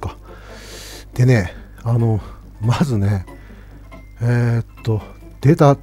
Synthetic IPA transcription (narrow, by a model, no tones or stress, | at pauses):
ka | d̪̥e̞ne̞ | ano̞ | mazɨne | et̪ːo̞ | d̪̥e̞t̪a